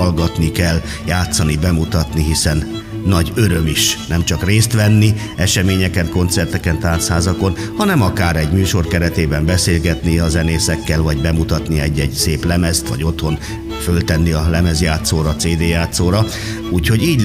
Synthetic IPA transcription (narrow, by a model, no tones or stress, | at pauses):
lɡɒt̪nikɛlː | jaːt̪sɒnibɛmut̪ɒt̪niɦisɛnː | ɒɟøɾømiʃnɛmt͡ʃɒkreːst̪ʋɛnːi | ɛʃɛmeːɲɛkɛnko̞nt̪sɛrt̪ɛkɛnt̪aːrshaːzɒko̞n | hɒnɛmɒkaːɾɛɟmyːʃo̞rkɛɾɛt̪eːbɛmbɛseːlɡɛt̪niɒzɛneːsɛkːɛlvɒɟbɛmut̪ɒt̪niɛɟːɛɟseːplɛmɛst̪ʋɒ̰ɟo̞t̪ho̞n | følt̪ɛnːiɒlɛmɛzjaːt̪soːɾɒːt̪seːd̪eːjaːt̪soːɾɒ | uːcho̞ɟiːɟ